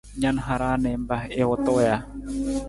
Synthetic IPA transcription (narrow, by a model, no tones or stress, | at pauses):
ɲanɦaɾanembahewɔt̪oja